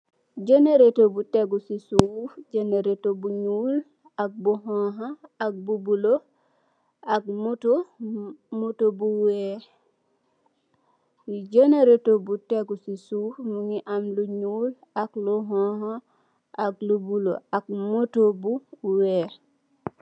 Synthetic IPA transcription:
ɟeneɾetobuteɡusisufɟeneɾetobuɲuːl | ak̚buɦõɦaak̚bubulo | ak̚muto | mutobuwe | uɟeneɾetobuteɡusisufmuŋiʔamluɲuːl | akluɦõho | aklubulo̰ak̚motobuwe

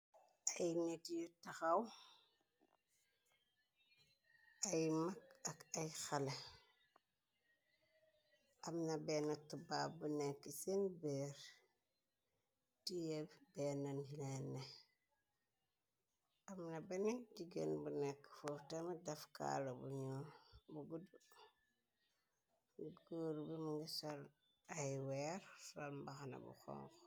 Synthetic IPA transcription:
ajnetijitaxaw | ajmakakajxale | ʔamnabeːnatubabunekːisenbeɾ | tijebbenanhilenːe | amnabenekd͡ʒiɡḛnbunekːfoftamadafka̰lobṵɲobuɡudu | ɡoːɾbimiŋɡisal | ajweɾsɾalmbaxana̰bṵxo̰ŋx

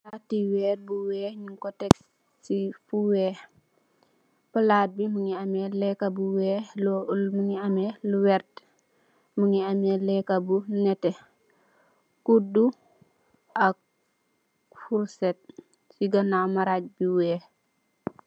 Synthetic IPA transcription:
atːiwɛːr̚buwɛːɲiŋkɔtɛk | sifuwɛː | pəlaːt̚biməŋiamɛlɛkabuwɛːlɔlməŋiamɛlwɛɾt | məŋiamɛlɛkabunɛtɛ | kudu | ʔak̚ | fuɾsɛt̚ | siɡɐnamaɾac̚biwɛː

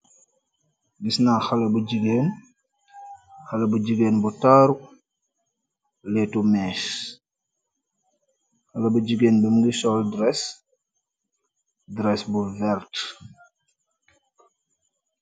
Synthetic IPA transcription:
ɡisnaːxɐlɐbuɟiɡeːn | xɐlɐbuɟiɡeːnbutaːɾuk̚ | lɛtumɛʃ | xɐlɐbud͡ʒiɡeːnbəmɡisɔldɾɛs | dɾɛsbuvɛɾt

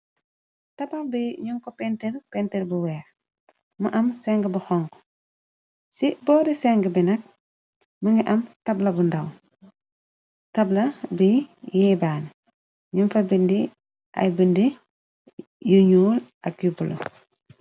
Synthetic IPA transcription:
tɐpɐlbiɲuŋkɔpɛntiɾpɛntiɾbuwɛːx | məʔɐmsɛŋɡəbuxɔŋkɔ̥ | sibɔːɾisɛŋɡəbinɐk̚ | məŋɡiʔɐmtɐblɐbundɐw | tɐblɐbijɛbaːn | ɲunfɐbindi | ʔɐ̰jbəndi | juɲuːlʔɐk̚jubulɐ̰

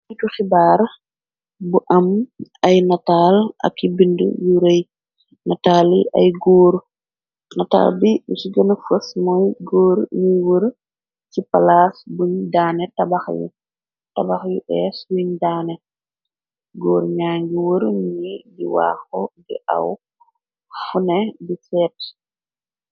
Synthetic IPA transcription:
ituxibaːɾ | buʔɐmajnataːla̰kːibindṵjuɾej | nataːliʔa̰jɡoːɾ | nata̰ːlbiusiɡənafusmɔjɡoːɾniwəɾ | cipalasbuɲdaːnɛtabaxjṵ | tabaxjuʔɛswiɲdaːnɛ | ɡɔːɾɲaːŋɡiwəɾnɲidiwa̰ːxɔdḭʔa̰w | funɛbisɛːt

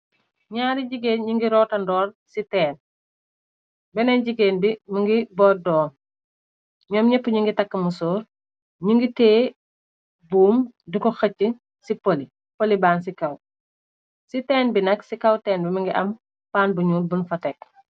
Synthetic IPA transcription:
ɲaːɾiɟiɡeːnɲiŋɡiɾɔːtɐndɔːrsitɛːn | bɛnɐɲɟiɡeːnbimɐŋɡibɔːdɔːn | ɲɔːmɲɛpːuɲiŋɡitɐkːɐmusɔːɾ | ɲiŋɡiteː | buːmdikɔxɐcːə | sipoli | polibaːns̬ikɐw | sitɛːnbinɐksikɐwtɛːnbimɐŋɡiʔɐm | paːnbuɲuːlbunfɐtɛk

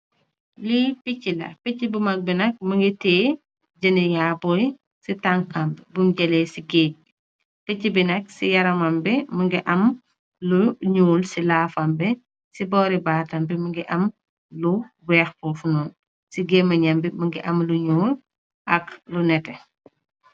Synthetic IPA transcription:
lipicːilɐ̰picːibumɐk̚binɐk̚məŋɡitɛː | ɟɐnijaːbɔj | sitaŋkambbumɟɐlɛsiɡeː | picːibinɐk̚sijɐɾɐmɐmbɛməŋɡiʔɐm | luɲuːlsilaːfɐmbɛ | sibɔːɾibaːtɐmbiməŋɡiʔɐm | lu | wɛːxpɔfunuːn | siɡemɐɲɐmbiməŋɡiʔɐmluɲuːl | ʔɐklunɛtɛ

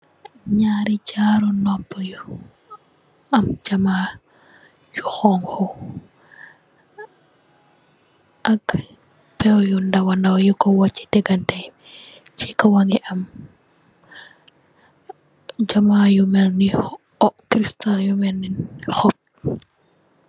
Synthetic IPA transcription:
ɲaːɾiɟaɾunɔpːɔju | ɐmd͡ʒamaː | juxɔŋxɔ | ʔɐk | pɛwjundɐwɐndawjukɔwat͡ʃːi̥dɛɡɐntɛ | t͡ʃikɔwaŋɡiʔɐm | d͡ʒɐmaːjumɛlni | ɔkɾistaljumɛlninxɔp̚

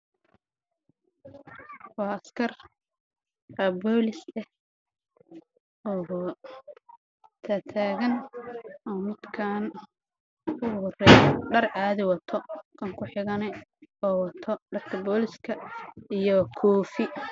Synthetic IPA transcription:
wɑːɐskʰɐr | ɐbɔːlɪsɛh | ɔː | t̪ʰat̪ʰaːɣɐnʔɔːmɪd̪kʰaːn | ʊʊrɛjɖɐraːðɪwɐt̪ʰɔkʰɐŋkʰʊħɪɣɐnɛɔːwɐt̪ʰɔɖɐrkʰɐbɔːlɪskʰɐijɔkʰɔːfɪ

